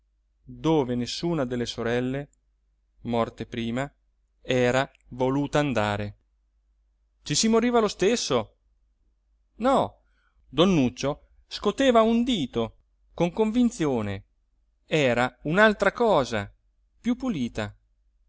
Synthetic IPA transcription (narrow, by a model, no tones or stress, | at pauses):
d̪oːvenesːuːnad̪elːesoɾɛlːe | mɔrt̪epɾiːma | ɛːɾa | voluːt̪aːnd̪aːɾe | t͡ʃisimoɾiːvalost̪esːo | nɔ | d̪onːut͡ʃːo | skot̪eːvaund̪iːt̪o | koŋkoɱvint̪sjoːne | ɛːɾaunalt̪ɾakɔːza | pjupːuliːt̪a